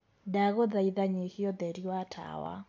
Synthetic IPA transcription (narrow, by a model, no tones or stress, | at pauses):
daɣɔðaiðaɲihiɔðɛɾiwatʰa̰wa̰